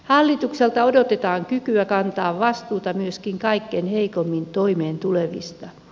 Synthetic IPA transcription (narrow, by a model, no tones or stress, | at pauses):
hɑlːit̪ukselt̪ɑodot̪et̪ɑːŋkykyækɑnt̪ɑːʋʋɑst̪uːt̪ɑmyøskiŋkɑikːenheikomːint̪oimeːnt̪uleʋḭst̪ɑ